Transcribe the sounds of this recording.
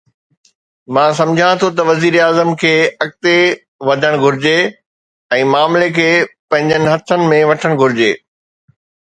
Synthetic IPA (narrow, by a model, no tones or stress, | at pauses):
mãːsɐ̃md͡ʑʱãt̪ʰot̪̬ɐʋɐziːɾaːzəmkʰeːɐk̚t̪e | ʋɐd̪ʱəɽ̃ɡʱʊɾɪd͡ʑe | ɛ̃ːmaːmlekʰeːpɐ̃ɦɪ̃ɲd͡ʑənɪ̆ɦɐt̪ʰənɪ̆mẽʋɐʈʰəɽ̃ɡʱʊɾɪd͡ʑeː